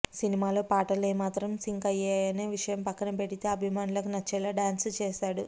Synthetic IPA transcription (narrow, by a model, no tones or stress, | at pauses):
sinimaːlo̞ːpaːʈɐleːmaːt̪ɾɐmsiŋkɐjɛːajɐneːʋiʂɐjɐmpɐkːɐnɐpe̞ɽit̪e̞ːɐbʱimaːnulɐkunɐt͡ʃːɛːlaːɖaːnst͡ʃeːsaːɽu